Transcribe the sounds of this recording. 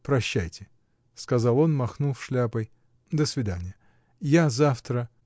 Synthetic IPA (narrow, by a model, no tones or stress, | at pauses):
pɾɐɕːæjtʲɪ | skɐzɑlˠo̞nmɐxnufʂlʲapəj | d̪əsvʲɪd̪anʲɪjə | jazaft̪ɾə